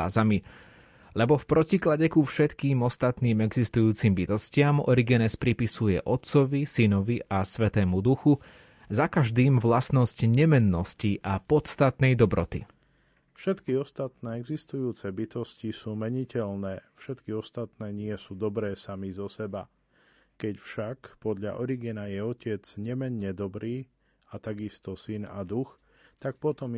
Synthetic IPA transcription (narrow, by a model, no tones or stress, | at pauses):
zami | lɛbɔfpɾɔciklaɟɛkufʃɛt̪kiːmɔst̪at̪niːmɛɡzist̪ujuːt͡simbit̪ɔscɪamɔ̰ɾiɡɛnɛspɾipisujɛ̰ʔɔt̪t͡sɔʋisinɔʋiʔasʋɛt̪ɛːmud̪uxu | zakaʒd̪iːmʋlasnɔscɲɛmɛnːɔsciʔapɔt̪st̪at̪nɛjd̪ɔbɾɔt̪ḭ | fʃɛt̪kiɔst̪at̪nɛːɛɡzist̪ujuːt͡sɛbit̪ɔscisuːmɛɲicɛʎnɛːfʃɛt̪kiɔst̪at̪nɛːɲɪɛsuːd̪ɔbɾɛːsamizɔsɛba | kɛcfʃakpɔd̪ʎa̰ʔɔɾiɡinajɛɔcɪɛd͡zɲɛmɛɲːɛd̪ɔbɾiː | at̪aɡist̪ɔsina̰d̪ux | t̪ak̚pɔt̪ɔm